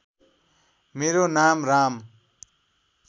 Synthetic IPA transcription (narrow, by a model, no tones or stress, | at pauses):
meɾonamram